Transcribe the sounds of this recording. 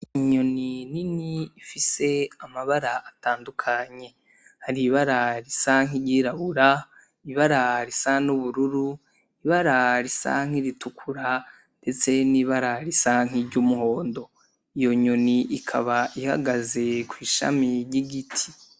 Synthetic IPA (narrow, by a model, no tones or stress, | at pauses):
iiɲo̞nininiːfise̞amaβaɾaataːndukʰaɲe̞ | haɾiβaɾaɾisaŋ̥iɾɟiːɾaβuɾa | iβaɾaɾisanuβuɾuɾu | iβaɾaɾisa̰ŋ̥iɾitukʰuɾa | nde̞t͡se̞niβaɾaɾisaŋ̥iɾɟumuɦo̞ːndo̞ | ijo̞ɲo̞niʔikʰa̰βaʔiha̰ɡaze̞kwiːʃa̰miɾɟiɡitʰi̥